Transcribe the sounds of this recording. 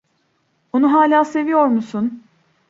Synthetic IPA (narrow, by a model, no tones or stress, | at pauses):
onuɦaːlʲaːse̞vijo̞ɾmusun